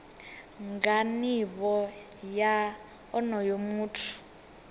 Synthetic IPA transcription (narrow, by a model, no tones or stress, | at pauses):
ŋɡaniβɔ | ja | ɔnɔjomuːtʰu̥